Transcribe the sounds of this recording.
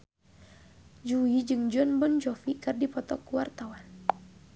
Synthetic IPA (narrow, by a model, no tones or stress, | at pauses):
d͡ʒuid͡ʒɨŋd͡ʒɔnbɔnd͡ʒɔfikɨrdipɔt̪ɔkuwart̪awan